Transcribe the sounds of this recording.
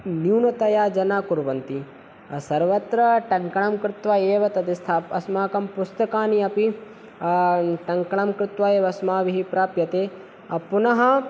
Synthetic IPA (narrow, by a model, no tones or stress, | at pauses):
niwnɐt̪ɐjaːd͡ʒɐnaːkuɾʋɐnt̪i | ɐsɐɾʋɐt̪ɾɐʈɐŋkɐɳɐmkɾɪt̪ʋaeːʋɐt̪ɐd̪ist̪ʰaːpɐsmaːkɐmpust̪ɐkaːniɐpi | ʈɐŋkɐɳɐmkɾɪt̪ʋaeːʋɐsmaːʋiɦipɾaːpjɐt̪eː | ɐpunɐɦɐ